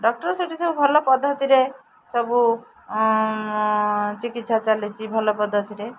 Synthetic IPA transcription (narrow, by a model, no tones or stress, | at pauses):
ɖɔk̚ʈɔɾsoʈisɔbubʱɔlɔpɔd̪ʱːɔt̪iɾe | sɔbu | t͡ʃikit̪sat͡ʃalit͡ʃʰibʱɔlɔpɔd̪ʱːɔt̪iɾe